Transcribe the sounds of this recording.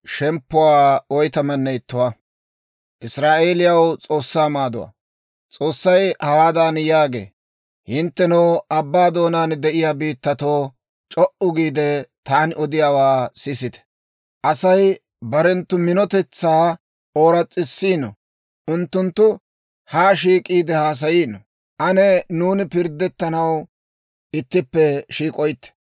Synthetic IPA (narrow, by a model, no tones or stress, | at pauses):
ʃɛmpːʊwaːɔjt̪ɐmɐnːɛjt̪ːʊwa | ʔɪsɾaːʔeːlɪjɐwt͡sʼo̞ːsːaːmaːd̪ʊwa̰ | t͡sʼo̞ːsːɐjhɐwaːd̪aːnjaːɡḛː | hɪnt̪ːɛnɔːɐbːaːd̪o̞ːnaːnd̪ɛʔɪjaːbiːt̪ːɐt̪oː | t͡ʃʼɔʔʊɡiːd̪ɛt̪aːnɔd̪ɪjaːwaːsɪsɪt̪ɛ̥ | ʔɐsɐj | bɐɾɛnt̪ːʊmɪnɔt̪ɛt͡sːaː | o̞ːɾɐt͡sʼːɪsːiːnɔ̰ | ʔʊnt̪ːʊnt̪ːʊ | haːʃiːkʼiːd̪ɛhaːs̬ɐjiːnɔ | ʔɐnɛnuːnɪpɪɾd̪ːɛt̪ːɐnɐw | ʔɪt̪ːɪpːɛʃiːkʼɔjt̪ːɛ̥